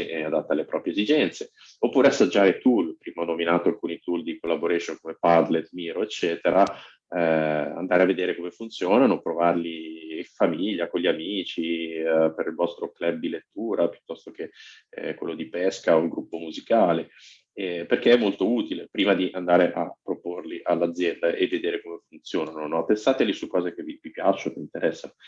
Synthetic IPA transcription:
ead̪at̪ːalepɾɔːpɾjezid͡ʒɛnt̪se | opːuːɾeasːad͡ʒːaːɾet̪ulpɾiːmaɔnːominaːt̪oalkuːnit̪uld̪ikolːaboɾɛsonkomepad̪let̪miːɾoet͡ʃːɛːt̪eɾʔa | ɛa̰nd̪aːɾeavːed̪eːɾekomefunt̪sjoːnanopɾovarliːɱfamiʎːakoɲʎiamiːt͡ʃipeɾilvɔst̪ɾoklɛbd̪ilet̪ːuːɾapju̥t̪ːɔst̪ok̟ḛ | kwḛlːod̪ipɛskaolɡɾupːomuzikaːle | ɛperk̟eɛmːolt̪ouːt̪ilepɾiːmad̪iʔand̪aːɾeʔapːɾoporliʔalːad̪zːjɛnd̪aʔevːed̪eːɾekomefunt̪sjoːnanonɔpensaːt̪elisukːɔːzek̟evivipjat͡ʃːokint̪eɾɛsːano

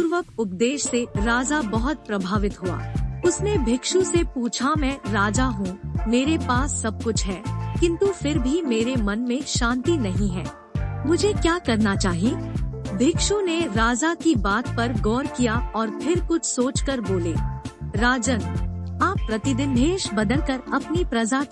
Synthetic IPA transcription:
puːɾʋəkʊp̚d̪eːʃseɾaːd͡ʒabɐɦʊt̪̚pɾɐbʱaːʋɪt̪ɦua̰ːʊsnebʱɪkʃusepuːt͡ʃʰamɛ̃ːɾaːd͡ʒaɦũmeːɾepaːsːɐb̚kʊt͡ʃʰɦɛːkɪ̃nt̪ufɪɾbʱimeːɾemɐnmẽʃãːnt̪inɐɦĩɦɛ̰ː | mʊd͡ʒʱekjaːkɐɾnat͡ʃaːɦieːbʱɪkʃuneɾaːd͡ʒakibaːt̪̚pɐɾɡɔːɾkijaɔːɾpʰɪɾkʊt͡ʃʰsoːt͡ʃkɐɾboːleːɾaːd͡ʒənaːpːɾɐt̪ɪd̪ɪnbʱeːʃbɐd̪əlkɐɾɐpnipɾɐd͡ʒa

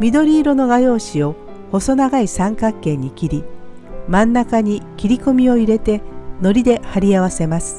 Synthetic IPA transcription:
mʲid̪o̞ɾʲiːɾo̞no̞ɡajo̞ːɕio̞ | ho̞so̞naɡaisãŋkakːẽ̞ɲ̟ːikʲiɾʲi | mãnːakaɲ̟ikʲiɾʲiko̞mʲio̞iɾe̞t̪e̞no̞ɾʲid̪e̞haɾʲiaβ̞ase̞masɨ̥

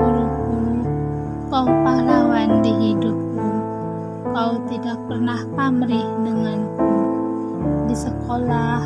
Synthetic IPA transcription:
uɾuku | kaupaɦlawandiɦidʊp̚ku | kaut̪idak̚pərnaht̪amɾɪhdəŋanku | disəkolah

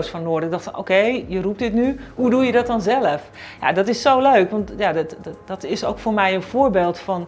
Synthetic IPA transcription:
sfɔnːoːrdəɪk̚dɔxtfɔnʔo̰wkejjərup̚tdɪtnyhudujədɔt̚dɔnzɛləf | ja̰dɔtɪsːowløɥkʋɔntjaddɔtɪsowkfoːrmɛjənfʊːbeːlˠtfɔn

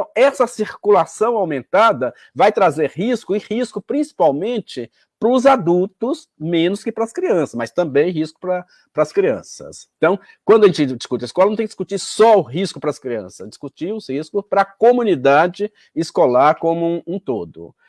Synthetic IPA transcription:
t̪ɐ̃w̃ɛsɐsiɾkulasɐ̃w̃awmẽnt̪ad̪ɐ | vajt̪ɾazeɾɦiskʊɪhiskʊpɾĩsi̥pawmẽnt͡ʃɪ | pɾʊzad̪ut̪ʊs | mẽnʊskɪpɾɐskɾiɐ̃sɐsmɐst̪ɐ̃mbẽj̃ɦiskʊ̥pɾɐ | pɾɐskɾiɐ̰̃sɐ̰sẽt̪ɐ̃w̃ | kwɐ̃nd̪ʊɐʒẽnt͡ʃɪd͡ʒiskut͡ʃɪɐɪskɔlɐñt̪ẽj̃d͡ʒiskut͡ʃiɾsɔʊɦiskʊpɾɐskɾiɐ̰̃sɐsd͡ʒiskut͡ʃiʊshiskʊpɾɐkomũnid̪ad͡ʒɪ | ɪskolaɾkõmʊ̃ũt̪o̰d̪ʊ̰

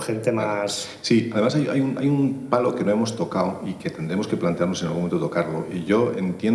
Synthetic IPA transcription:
ent̪emas | siaðe̞masaja̰junʔajumpalo̞ke̞noe̞mo̞st̪o̞kawike̞t̪e̞nd̪ɾe̞mo̞skeplant̪e̞aɾno̞senalɣumment̪ot̪okaɾlo̞̰ʔiʝo̞ḛnt̪je

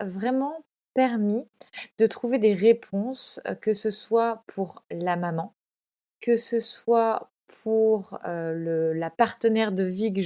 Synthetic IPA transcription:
vʁɛmɑ̃ | pɛʁmid̪̥ət̪χuved̪eʁepʰɔ̃skəsəswapʰuʁlamamɑ̃ | kəsəswa | pʰuʁøləlapaʁt̪ənɛʁd̪əviɡ

